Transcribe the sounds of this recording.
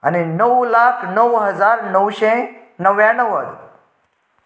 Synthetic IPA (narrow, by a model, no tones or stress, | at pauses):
a̰ninəwlakʰnəwɦəd͡zaɾnəwɕe | nəʋjãnəʋəɽ